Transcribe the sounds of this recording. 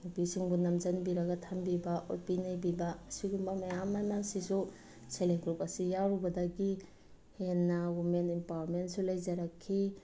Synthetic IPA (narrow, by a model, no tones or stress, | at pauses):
nupisiŋbunɐmzɐnbiɾɐɡatʰambibaʔopinajbibaːsiɡumbamajamːanasisu | seleŋɡɾupɐsijaɾubɐdaɡi | henːawimentimpawaɾmentsulajzaɾakʰːi